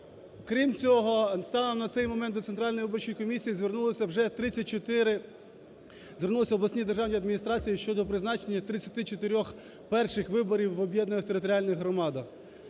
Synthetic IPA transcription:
kɾʲimt͡sʲɔɦɔst̪ɑnɔmnɐt̪sɛjmɔmɛnt̪ɔt̪sent̪ɾɑlʲnɔjʋɪbɔrt͡ʃijikɔmʲisʲijizʋʲernulˠɪsʲɐwʒɛt̪ɾɪt͡sʲːɐt̚ʲt͡ʃɔt̪ɪɾɪ | zʋʲernulˠɪsʲɐɔblˠɐsʲnʲid̪erʒɑwnʲiɐd̪mʲinʲist̪ɾɑt͡sʲijiʃt͡ʃɔd̪ɔpɾɪznɑt͡ʃenʲːɐt̪ɾɪt͡sʲːɐ̥t̪ɪt͡ʃɔt̪ɪɾʲɔx | pɛrʃɪxʋɪbɔɾʲiwːɔbʲjɛd̪nɐnɪxt̪eɾɪt̪ɔɾʲiɑlʲnɪɣɦɾɔmɑd̪ɐx

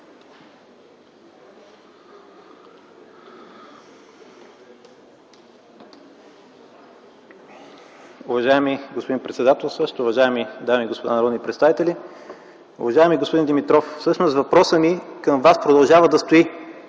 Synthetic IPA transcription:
ʊvɐʒaɛmiɡospod̪inpɾɛt̪sɛd̪at̪ɛlˠsɤʃt̪oːvɐʒaɛmid̪amiːɡospod̪a̰nɐɾɔd̪nipɾɛt̪st̪avit̪ɛlʲi | ʊ̰vɐʒaɛmiɡospod̪ind̪ɛmit̪ɾɔffsɤʃnost̪vɐpɾɔsənikəmvaspɾod̪ɐlˠʒavəd̪ɐst̪oi

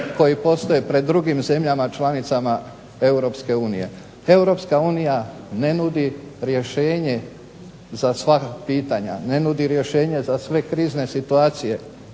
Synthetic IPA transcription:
ko̞jipo̞st̪o̞jepɾe̞d̪ːɾuɡimze̞mʎamat͡ʃlanit̪sama | e̞wɾo̞pske̞uːnije̞̰ | e̞wɾo̞pskauːnija | ne̞nud̪iɾje̞ʃe̞ːɲe̞ | zasʋakpiːt̪aɲa̰ne̞nud̪iɾje̞ʃe̞ːɲe̞zasʋe̞kɾiːzne̞sit̪uaːt̪sije̞

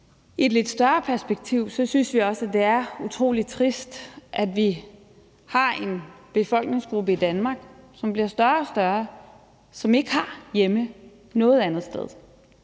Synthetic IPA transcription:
ied̥le̝d̥sd̥ɶɐpʰæɐsb̥eɡ̥̚t͡sʰiʊ̰sɒ̽synsʋiɒ̽səæd̥e̝æɐut͡sʰʁo̝̰ːli̥t͡sʰʁisd̥ʔæd̥ʋi | hɑ̈e̝nb̥e̝fɒ̽l̰ɡ̥ne̝ŋsɡ̥ʁub̥əid̥ænmɑ̈ɡ̥sɒ̽mb̥liɐsd̥ɶɐɒ̽sd̥ɶɐ | sɒ̽me̝ɡ̥əhɑ̈jemə | nɔ̽ːð̩ˠænð̞̩ˠsd̥eð̞̰ˠ

